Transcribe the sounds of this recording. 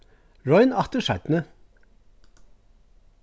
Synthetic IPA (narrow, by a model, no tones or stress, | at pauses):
ɹɔʏnɑt̪əʃɑɪt̪n̩ə